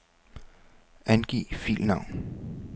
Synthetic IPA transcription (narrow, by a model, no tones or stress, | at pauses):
ænɡ̥ḭːfḭːlnɑ̈ʊ̰n